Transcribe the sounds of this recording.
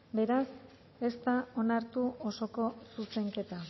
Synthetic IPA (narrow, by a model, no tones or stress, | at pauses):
be̞ɾas | e̞st̪ao̞naɾt̪uoso̞ko̞suse̞ŋke̞t̪a